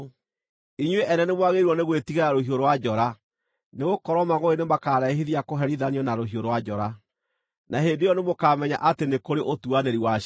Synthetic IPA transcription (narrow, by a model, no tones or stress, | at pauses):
iɲweʔɛnɛnemwaɣeɾwɔneɣwetiɣaɾaɾohioɾowad͡ʒɔɾa | neɣokɔɾɔmaɣoenemakaːɾaeɦiðiakoɦɛɾiðaniɔnaɾoɦioɾowad͡ʒɔɾa | naɦendejɔnemokaːmɛɲa̰ʔatenekoɾeʔotuaneɾiwa